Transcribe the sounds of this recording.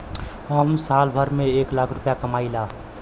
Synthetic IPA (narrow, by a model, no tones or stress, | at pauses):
ɦəmsalbʱəɾmeeːklaːkʰɾʊpjakəmaːila